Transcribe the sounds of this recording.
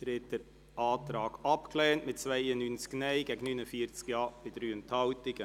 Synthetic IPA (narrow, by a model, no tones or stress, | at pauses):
tɾeːtdəɾ | ʔɑːtɾɑːɡ̥ɑpklɛːntmɪt̚t͡svaɪənynt͡sknɛɪɡɛːɡənynəfiːɾt͡skjɑːb̥ɪdɾyːənthɑwtɪɡ̥ə